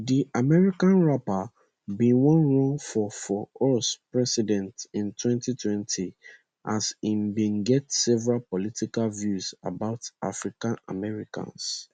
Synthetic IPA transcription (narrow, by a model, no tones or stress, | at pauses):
diʔamɛɹikãnɹapa | bĩnwɔ̃nɹɔ̃ŋfɔfɔɔspɹɛsidɛ̃ntĩntwɛ̃ntitʰwɛ̃ntʰi | ʔasĩmbĩnɡɛtsɛvɛɹalpɔlitikalvjuza̰baʊtʔa̰fɹikãna̰mɛɹikã̰ns